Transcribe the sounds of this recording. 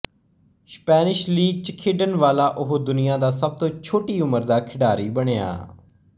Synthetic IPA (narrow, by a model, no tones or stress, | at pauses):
spɛːnɪʃliːɡ̚t͡ʃəkʰeːɖənʋaːlaːʔʊɦod̪ʊnɪjãːd̪aːsəb̚t̪õːt͡ʃʰoːʈiːʊməɾd̪aːkʰɪɖaːɾiːbəɽeːa̰ː